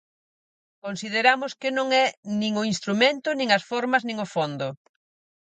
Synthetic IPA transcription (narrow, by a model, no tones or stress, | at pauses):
konsið̞eɾamʊskɪnõŋɛnĩŋʊinst̪ɾumẽnt̪ʊnĩŋɐsfɔɾmɐznĩŋʊfond̪ʊ